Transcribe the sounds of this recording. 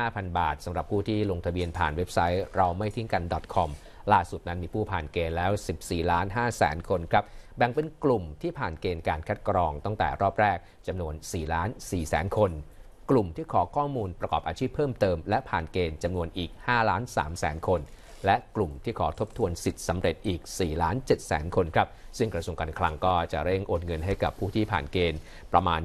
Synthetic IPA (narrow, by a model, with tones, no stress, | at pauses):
aː˥˩pʰa˧nba̰ː˨˩t̪̚sa˩˦mɾa˨˩p̚ʰuː˥˩t̪ʰiː˥˩lo˧ŋt̪ʰa˧bi˧ənpʰa̰ː˨˩nwe˦˥p̚sa˦˥jɾa˧wma˥˩jt̪ʰi˦˥ŋka˧ndɔ˨˩t̪̚kʰɔ˧m | laː˥˩su˨˩t̪̚na˦˥nmiː˧pʰuː˥˩pʰaː˨˩nkeː˧nlɛː˦˥wsi˨˩p̚siː˨˩laː˦˥nɦaː˥˩sɛ̰ː˩˦nkʰo˧nkʰɾa˦˥p̚bɛ˨˩ŋpe˧nklu˨˩mt̪ʰiː˥˩pʰaː˨˩nkeː˧nkaː˧nkʰa˦˥t̪̚kɾɔː˧ŋt̪a˥˩ŋt̪ɛ̰ː˨˩ɾɔː˥˩p̚ɾɛː˥˩k̚ | t͡ɕa˧mnu˧ənsiː˨˩laː˦˥nsiː˨˩sɛ̰ː˩˦nkʰo˧n | klu˨˩mt̪ʰiː˥˩kʰɔː˩˦kʰɔː˥˩muː˧npɾa˧kɔː˨˩p̚ʔaː˧t͡ɕʰiː˥˩pʰːɤː˥˩mt̪ɤː˧mlɛ˦˥ʔpʰaː˨˩nkeː˧nt͡ɕa˧mnu˧ənʔiː˨˩k̚haː˥˩laː˦˥nsa̰ː˩˦msɛ̰ː˩˦nkʰo˧n | lɛ˦˥ʔklu˨˩mt̪ʰiː˥˩kʰɔː˩˦t̪ʰo˦˥p̚t̪ʰu˧ənsi˨˩t̪̚sa˩˦mɾe˨˩t̪̚ʔiː˨˩k̚siː˨˩laː˦˥nt͡ɕe˨˩t̪̚sɛ̰ː˩˦nkʰo˧nkʰɾa˦˥p̚sɯ˥˩ŋkɾa˧su˧əŋkaː˧nkʰla˧ŋkɔː˥˩t͡ɕa̰˨˩ɾe˥˩ŋʔoː˨˩nŋɤ˧nɦa˥˩jka˨˩pʰːuː˥˩t̪ʰiː˥˩pʰa̰ː˨˩nkeː˧n | pɾa˧maː˧n